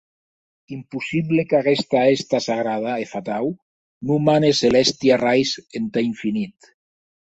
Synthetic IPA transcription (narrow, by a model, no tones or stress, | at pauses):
impusiβlekaɣest̪aest̪asaɣ̞ɾað̞aefat̪aw | numaneselɛst̪jarajsent̪aiɱfinit̪